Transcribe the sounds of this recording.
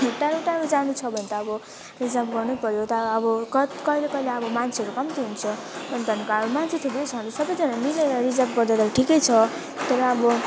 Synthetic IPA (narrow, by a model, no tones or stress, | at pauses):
eʈaɾuʈaɾud͡zanut͡sʰʌbʱʌnet̪ʌːbʌ | rid͡zapɡʌrnupʌɾjot̪ʌɾːbʌkkʌilekʌileʌbʌmant͡sʰiʌɾukʌmt̪iɦunt͡sʰʌbʱʌnt̪ʌnkaʌɾumant͡sʰit̪ʰubejt͡sʰʌnisʌbʌjd͡zʌnamileɾʌrid͡zʌp̚ɡʌrd̪at̪aʈʰikʌjt͡sʰʌ | t̪ʌɾʌːbʌ